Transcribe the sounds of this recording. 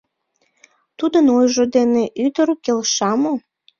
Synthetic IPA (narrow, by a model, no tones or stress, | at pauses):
t̪ud̪ənojʒod̪eneʔyd̪əɾkelʃɑmo